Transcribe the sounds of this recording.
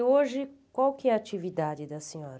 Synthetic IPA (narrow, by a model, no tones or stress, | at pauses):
oʒɪkwawkɪɛat͡ʃivid̪ad͡ʒɪd̪ɐsẽɲɔɾɐ